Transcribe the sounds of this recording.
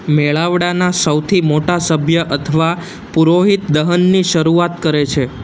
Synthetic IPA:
meɭaʋɽanasəwt̪ʰimoʈasəbʱjəʔət̪ʰəʋa | puɾoɦit̪d̪əɦənːiʃəɾuat̪kəɾet͡ʃʰe

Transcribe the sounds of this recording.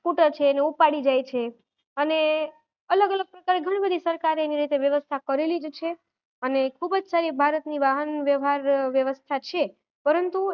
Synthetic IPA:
kuʈət͡ʃʰeːneupaɽid͡ʒajt͡ʃʰe | əne | ələɡələɡ̚pɾəkaɾeɡʱəɽ̃ibəd̪ʱisəɾkaɾeniɾit̪eʋjəʋəst̪ʰakəɾelid͡ʒt͡ʃʰe | ənekʰubəd͡ʒsaɾibʱaɾət̪niʋaɦənʋjəʋɦaɾʋjəʋəst̪ʰat͡ʃʰe | pəɾənt̪u

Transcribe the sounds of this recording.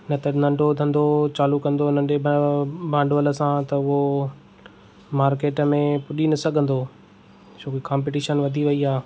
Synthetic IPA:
nɐt̪ɐnɐ̃ɳɖʱod̪ʱɐ̃nd̪ot͡ɕaːlukɐ̃nd̪onɐ̃ɳɖebʱãːɳɖʋələ̆sãt̪ɐʊɦo | maːɾkeːʈmẽpʊɗinɐsɐɡʱə̃nd̪oː | t͡ɕʰoːkekaːmp̬eʈiːʃənʋɐd̪ʱiʋɐiaː

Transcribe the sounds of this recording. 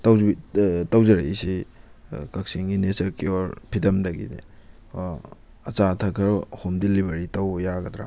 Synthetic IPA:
tɐwitɐwzɐɾɐisi | kɐk̚siŋɡinesɐɾkeoɾpʰidɐmdɐɡḭdḭ | ɐt͡ʃatʰɐkʰɐɾhomdilibeɾitɐwjaɡɐdɾa̰

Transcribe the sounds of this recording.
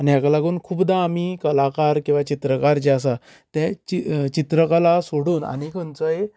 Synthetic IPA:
aniakalaɡuːnkʰuːpd̪aːmikəlakaɾkĩw̃ʋat͡ɕit̪ɾəkaɾd͡ʑeas̬a | t̪ɛ̃t͡ɕit͡ɕit̪ɾəkalasoɽuːna̰nikʰɔnt͡sɔje

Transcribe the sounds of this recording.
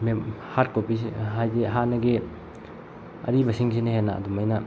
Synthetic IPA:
me | hat̚kopisɦajzeɦanɐɡe | ɐ̰ɾibɐsiŋsinɐɦenːa̰ɐ̰dumɐjnɐ

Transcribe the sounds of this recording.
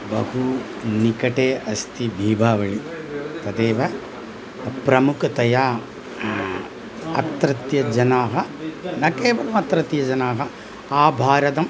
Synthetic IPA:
bɐhu | nikɐʈeːɐst̪ʰibʱiːbʱaːʋɐɭit̪ɐd̪eːʋɐ | pɾɐmukʰɐt̪ɐjaː | ɐ̰t̪ɾɐt̪jɐd͡ʒɐnaːɦɐnɐkeːʋɐlɐmɐt̪ɾɐt̪jɐd͡ʒɐnaːɦɐ | aːbʱaːɾɐt̪ɐm

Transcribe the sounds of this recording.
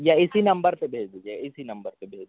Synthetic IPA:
jaɪsinɐ̃mbəɾpebʱeːd͡ʒd̪ujaɪsinɐ̃mbəɾpebʱeːd͡ʒd̪

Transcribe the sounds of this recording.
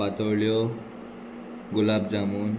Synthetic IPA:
at̪əɾɭjɔ | ɡulabd͡zamuːn

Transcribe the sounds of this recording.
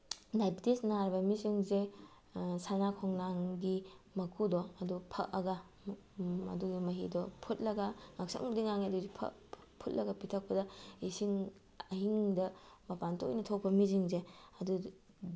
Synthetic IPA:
najptesnaɾbɐmiziŋze | sanakʰɔŋnaŋɡimɐkʰudɔɐdupʰɐ̰kɐ̰ɡɐ | ɐ̰duɡimɐɦidɔpʰut̚lɐɡɐŋak̚sɐ̰ŋbɐdiŋaŋiɐduzipʰɐ̰ | pʰut̚lɐɡɐpitʰɐk̚pɐdɐisiŋ | ɐɦiŋdɐmɐpantʰo̰jnɐtʰok̚pɐmiziŋzeɐdu

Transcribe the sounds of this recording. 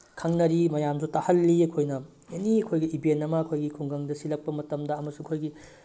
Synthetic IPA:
kʰɐŋnɐɾimɐjamzutahɐlːiɐkʰojnɐ | eniɐkʰojɡɐibʱentɐmɐːɐkʰojɡikʰuŋɡɐŋdɐsilɐk̚pɐmɐtɐmdɐːmɐsuɐkʰojɡi

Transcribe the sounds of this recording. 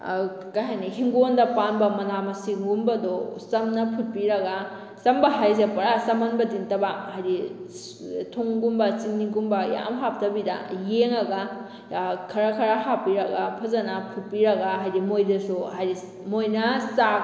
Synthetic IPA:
kajɦajnihiŋɡondɐpanbɐmɐnamɐsiŋɡumbɐdosɐmnɐpʰut̚piɾɐɡa | sɐmbɐɦajz̬epɐɾasɐmɐnbɐdiŋtɐbaŋhajɾi | tʰoŋɡumbɐt͡ʃiŋniɡumbɐja̰mɦap̚tɐbidɐ̰jeŋɐɡa | kʰɐɾakʰɐɾaɦapːiɾɐɡapʰɐzɐnɐpʰut̚piɾɐɡaɦajɾimojdɐsuhajɾi | mojnɐsa

